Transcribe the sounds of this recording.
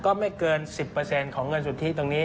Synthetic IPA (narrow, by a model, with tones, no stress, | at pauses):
kɔː˥˩ma˥˩jkɤː˧nsi˨˩pːɤː˧se˧nkʰɔː˩˦ŋːɤ˧nsu˨˩t̪ʰːiː˥˩t̪o˧ŋniː˦˥